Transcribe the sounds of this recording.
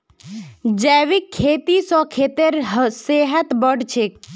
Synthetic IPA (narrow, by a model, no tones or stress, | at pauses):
d͡ʒɛːʋikʰːeːt̪isɔ̃kʰeːt̪eɾɦseɦət̪bəɖt͡ʃʰek